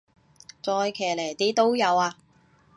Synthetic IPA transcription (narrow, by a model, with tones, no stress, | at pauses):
t͡sɔː˧jkʰɛː˨˩le˨˩jt̪iː˨˥t̪o˥wjɐ˨˧waː˧